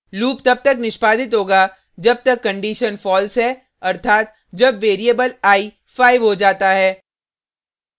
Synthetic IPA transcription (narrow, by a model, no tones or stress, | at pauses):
luːpt̪ɐb̚t̪ɐknɪʃpaːd̪ʱɪt̪ɦoːɡaː | d͡ʒɐb̚t̪ɐkːɐ̃ɳɖiːʃənfɔːlsɦɛː | ɐɾt̪ʰaːt̪̚ | d͡ʒɐbʋeːɾiəbəlaːi | faːɪʋɦod͡ʒaːt̪aɦɛː